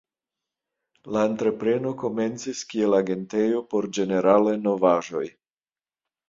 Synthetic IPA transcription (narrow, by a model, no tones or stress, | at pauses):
laentɾe̞pɾe̞no̞ko̞me̞nt͡siskie̞laɡe̞nte̞jo̞po̞ɾd͡ʒe̞ne̞ɾaleno̞vaʒo̞j